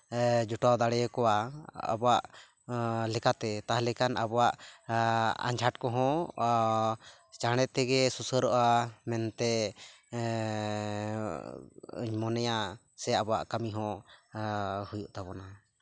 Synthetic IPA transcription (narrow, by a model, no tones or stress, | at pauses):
d͡ʒɔʈad̪aɽɛjɔkɔwaa̰bɔwaʔ | lɛkat̪ɛt̪aɦlɛkanabɔwaʔ | a̰ɲd͡ʒʱaʈkɔ̃ɦɔ̃ | t͡ʃaɽ̃ɛt̪ɛɡɛsusəɾɔʔamɛnt̪ɛ | ə̰ɲmɔnɛja | sɛabɔwa̰ʔkəmiɦɔ̃ | hujuʔt̪abɔna